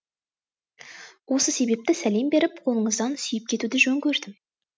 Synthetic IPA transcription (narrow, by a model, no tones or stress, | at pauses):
wo̞səse̞be̞p̚t̪ɪsæle̞mbe̞ɾɪpqʰo̞lˠəɴəzd̪ɑnsʏjɪp̚kʲʰe̞t̪ud̪ɪʒɵŋkʲʰɵɾd̪ɪm